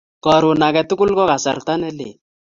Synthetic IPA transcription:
kɔ˨ɾʊ˨na˨kɛ˨tʊ˦kʊ˦lkɔ˦ka˨sa̰˨ɾta˦nɛ˦lḛ˨

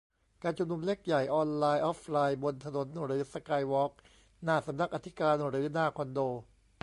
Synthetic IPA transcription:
kaː˧nt͡ɕʰu˧mnu˧mle˦˥˩k̚ja˨˩jʔɔː˧nlaː˧jʔɔː˦˥p̚ʰlaː˧jbo˧nt̪ʰa˧no˩˦nɾɯː˩˦sa˧kaː˧jwɔː˦˥k̚ | naː˧˩sa˨˦mna˦˥k̚ʔa˧t̪ʰi˦˥kaː˧nɾɯː˩˦naː˧˩kʰɔ˧ndoː˧

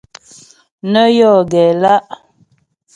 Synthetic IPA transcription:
nə˦jɔ˦˨ɡɛ˨la˦ʔ

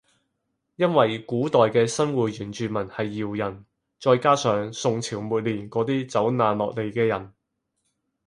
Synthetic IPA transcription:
jɐ˥nwɐ˨jkuː˨˥t̪ɔː˨jkɛː˧sɐ˥nwuː˨t̚jyː˨˩nt͡ʃyː˨mɐ˨˩nhɐ˨jːiː˨wjɐ˨˩n | t͡sɔː˧jkaː˥sœː˨˧ŋsʊ˨ŋt͡sʰiː˨˩wmuː˨˩t̚liː˨˩nkɔː˨˥t̪iː˥t͡sɐ˨˥wnaː˨˧nlɔː˨k̚le˨jkɛː˧jɐ˨˩n

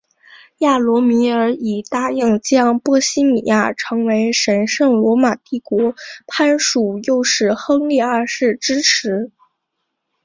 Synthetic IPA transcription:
ja˥˩lwɔ˧˥mi˧˥ə˞˧˥i˨˩t̪a˥˧i˥˩ŋt͡ɕjɑ˥ŋpwɔ˥ɕi˥mi˨˩ja̰˥˩ʈ͡ʂʰɤ˧˥ŋwe˧˥ɪʂə˧˥nʂɤ˥˩ŋlwɔ˧˥ma˨˩t̪i˥˩kwɔ˧˥pʰa˥nʂu˨˩jo˥˧ʊʂɻ̩˥˩xɤ˥ŋli˥˧a˞˥˧ʂɻ̩˥˩ʈ͡ʂɻ̩˥ʈ͡ʂʰɻ̩˧˥

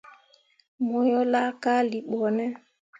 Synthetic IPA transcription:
mɔ˨jɔ˦la˦ka˦li˨ɓɔ˨nɛ˦

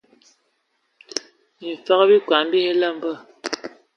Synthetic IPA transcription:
i˨fa˨˦ɣə˦bi˦kwa˨m˦bi˦he˦lə˦˨m˦bə˦˨

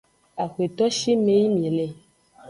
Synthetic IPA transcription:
a˨xwe˨t̪ɔ˦ʃi˦me˦ji˦mĩ˨lɛ˦˨

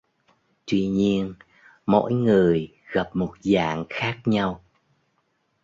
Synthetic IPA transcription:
t̪wi˧ɲi˧ən | mo̰˧˥jŋɨ˨˩əj | ɣa˨˩p̚mo˨˩t̚za̰ː˧˨ŋxaː˦˥k̚ɲa˧w

